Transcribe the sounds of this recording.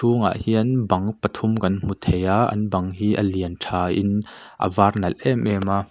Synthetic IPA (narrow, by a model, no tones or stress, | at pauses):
suːŋa̰ʔhiənbɐŋpɐt̪ʰumkɐnm̥ut̪ʰejaʔɐ̰nbɐŋɦiːʔəliəntʰaːʔɪnʔɐ̰vaːrnɐlɛmɛma